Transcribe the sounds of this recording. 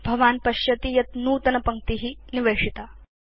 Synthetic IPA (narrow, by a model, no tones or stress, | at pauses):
bʱɐʋaːnpɐɕjɐt̪iːjɐt̪nuːt̪ɐnɐpɐŋk̚t̪iɦiːniʋeːʂit̪a